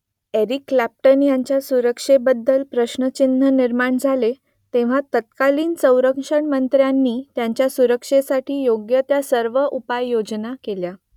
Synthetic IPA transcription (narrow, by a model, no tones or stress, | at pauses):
eɾiklæp̚ʈənjaɲt͡ɕjasuɾəkʂebəd̪ːəlpɾəɕnət͡ɕinːəniɾmaɳd͡zʱale | t̪ẽʋ̤at̪ət̪̚kaliːnsə̃w̃ɾəkʂəɳmənt̪ɾjanːiːt̪jaɲt͡ɕjasuɾəkʂesaʈʰiːjoɡjət̪jasəɾʋəʔupajːod͡znakelja